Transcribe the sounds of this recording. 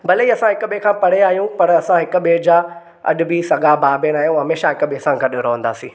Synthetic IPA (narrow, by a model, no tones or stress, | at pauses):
bɐleiɐsãɦɪkʊɓekʰãːpɐɽ̤eaːɦijũpɐɾɐsãɦɪkʊ̆ɓeːd͡ʑaː | ɐ̰ɗʊbisɐɡabaːbeñaːɦijũɦɐmeːʃaɦɪkʊɓeːsãɡɐɗɾɐɦə̃nd̪a̰ːsĩː